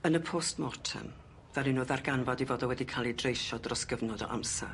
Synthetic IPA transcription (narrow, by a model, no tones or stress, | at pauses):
ənəpʰoːstmɔrtʰə̰n | ðalɪnʊːðarɡanvɔdivoːdɔwɛdikʰalˠidrejʃɔdrɔsɡ̥əvnɔdɔ̰ʔa̰msɛ̰